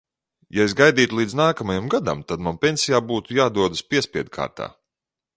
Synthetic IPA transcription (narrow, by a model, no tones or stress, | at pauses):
jaes̬ɡajd̪iːt̪ulˠiːd̪znaːkamajamɡad̪a̰mt̪ad̪manpʲenʲsijaːbuːt̪ujaːd̪uɔd̪ɨspʲiɛsʲpʲiɛd̪̚kʰa̰ːɾt̪a̰ː